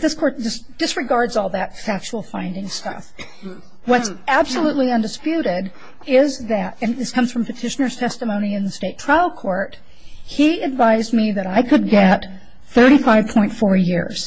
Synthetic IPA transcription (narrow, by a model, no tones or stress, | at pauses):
ðɪskʰɔɹt̚ðɪsd̥ɨsɹɨɡɑɹdzɔlˠðɨtfæk̚t͡ʃul̩ˠfãɪ̃ndɪ̃ŋstʌ̰f | wʌtsæb̥səlutˡliʌ̃ndɨspjʉɾɪɾ | ɪzðɨɾɨ̃nðɪskʰʌ̃mz̥fɹʌ̃mpʰɨtʰɪʃɨnə˞z̥tʰɛstəmõʊ̃ñiɨ̃nðəsteɪtʰɹ̥aɪl̩ˠkʰɔɹt̚ | hiɨdvaɪzmiðɨɾaɪkʰɨd̚ɡɛt̪̚ | θɜ˞ɾifaɪv̥pʰɔ̃ɪ̃ntfɔɹjɪ̰ɹz̥